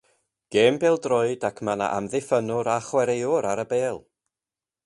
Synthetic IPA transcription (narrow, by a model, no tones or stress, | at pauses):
ɡ̥eːmbeːlˠdrɔɨdakʰmana̰ʔamðɪfənʊɾaχwɛɾejʊɾaɾəbeːlˠ